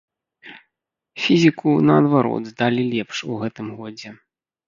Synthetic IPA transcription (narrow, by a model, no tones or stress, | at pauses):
fʲizʲikunɐɐd̪vaɾɔ̰d̪zd̪alʲilʲɛpʂuɣɛt̪ɨmɣɔd͡zʲɛ